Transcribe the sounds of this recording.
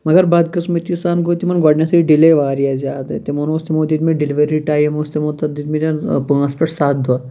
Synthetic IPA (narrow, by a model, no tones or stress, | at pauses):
mɐɡɐɾbaːd̪kɐsmɐt̪isaːnɡoːt̪imɐnɡaɖnʲjasɾiɖileʋaːɾijazʲaːd̪ɐ̰t̪emonost̪imod̪it̪meɖeliʋɐɾiɾiʈaːjɐmost̪imot̪ɐd̪it̪mit̪anpuɐspeʈsaːt̪̚d̪ua